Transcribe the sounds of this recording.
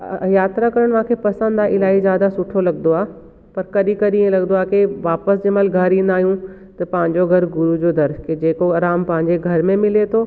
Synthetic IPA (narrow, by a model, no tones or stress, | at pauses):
jaːt̪ɾakɐɾəɽ̃ʋɦãkʰepɐsə̃nd̪aɪlaːizjaːd̪asʊʈʰolɐɡnd̪oaː | pɐɾkɐɗikɐɗiẽlɐɡnd̪oaːkeʋaːpəsd͡ʑɪməlɡʱɐɾĩːnd̪aːɦijũ | t̪ɐpɐ̃ɦɪ̃ɲd͡ʑoɡʱɐɾɡʊɾud͡ʑod̪ɐɾked͡ʑeːkoɐɾaːmpɐ̃ɦɪ̃ɲd͡ʑeɡʱɐɾmẽmɪlet̪ʰoː